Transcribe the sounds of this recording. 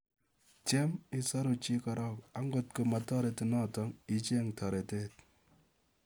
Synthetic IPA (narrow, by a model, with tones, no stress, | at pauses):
t͡ʃɛ˦mi˦sɔ˦ɾu˨t͡ʃi˦kɔ˧ɾɔ˦˨ka˨ŋɡo˨t̚ko˨ma˨tɔ˦ɾe˨ti˨nɔ˦˨tɔ˦ŋi˨t͡ʃe˦ŋtʰɔ˨ɾe˨te˦t̚